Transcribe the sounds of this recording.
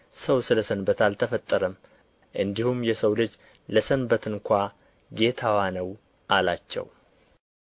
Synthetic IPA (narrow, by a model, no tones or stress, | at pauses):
səwsɨləsənbət̪alt̪ʰəfət̪ʼːəɾəm | ʔɨnd̪ihumjɛsəwlɨd͡ʒ | ləsənbət̪ʰɨnkʷa | ɡe̞t̪ʰawanəw | ʔalat͡ʃːɛ̰w